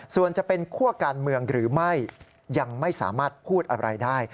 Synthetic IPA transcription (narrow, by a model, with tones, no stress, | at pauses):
su˨˩ənt͡ɕa˨˩pe˧nkʰu˥˩əkaː˧nmɯ˧əŋɾɯː˩˦ma˥˩jː | a˧ŋma˥˩jsa̰ː˩˦maː˥˩t̪̚pʰuː˥˩t̪̚ʔa˧ɾa̰˧jdaː˥˩j